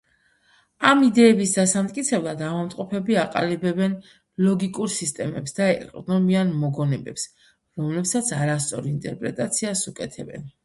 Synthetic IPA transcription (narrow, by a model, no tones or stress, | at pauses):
amid̪ɛːbisd̪asamt̪ʼkʼit̪sʰɛblˠad̪avamt̪ʼqʼɔpʰɛbiaqʼa̰libɛbɛn | lˠɔɡikʼuɾsist̪ʼɛmɛpsd̪aɛqʼd̪nɔmianmɔɡɔnɛbɛ̰ps | ɾɔmlɛpsat̪sʰaɾas̬t̪sʼɔ̰ɾiint̪ʼɛɾpʼɾɛt̪ʼat̪sʰiasukʼɛt̪ʰɛbɛ̰n